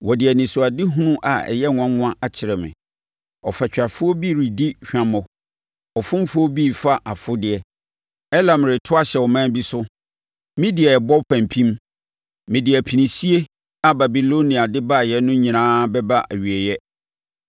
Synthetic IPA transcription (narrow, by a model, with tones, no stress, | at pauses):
wɔ˨dɪ˨ɛ˨nɪ̃˨sʊ˨a˨dɪ˦ɦʊ̃˦nʊ̃˦ʔa˨ɛ̰˨jɛ˦nʊ̃˨˦ã˦ŋʊ̃˦a˦ʔa˨t͡ɕʰɪ˨ɾɛ˨mɪ̰̃˨ | ɔ˨fa˨t͡ɕᶣa˨fʊ˦ɔ˦bi˦˨ɾi˨di˦ɕᶣã˦mɔ̃˨ | ɔ˨fʊ̃˦m˦fʊ˦ɔ˦bi˦˨fa˦ʔa˨fʊ˦dɪ˨ɛ˦ | ɛ˦la˨mɪ̃˨ɾɪ˨tʰʊ˦a˦ɕɛ˨wɔ˨mã˦bi˦sʊ˦ | mɪ̃˦dɪ˨ɛ˨ɛ˨bɔ˦pʰã˨mpʰĩ˦m | mɪ̃˨dɪ˨æ˨pʰi˨nĩ˨si˦e˦ | a˨ba˨bi˨lo˦nĩ˨a˨dɪ˦ba˦˨jɛ˦nʊ̃˦ɲĩ˨nãː˦bɛ˦ba˦ʔæ̰˨ɥi˨ɛ˨jɛ˦